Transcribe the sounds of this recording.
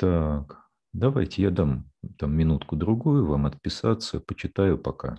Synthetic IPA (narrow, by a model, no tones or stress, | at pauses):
t̪ak | d̪ɐvajtʲɪjad̪amt̪amːʲɪnut̪kʊd̪ɾʊɡujʊvamɐt̪̚pʲɪsat̪sːəpət͡ɕɪt̪ajʊpɐka̰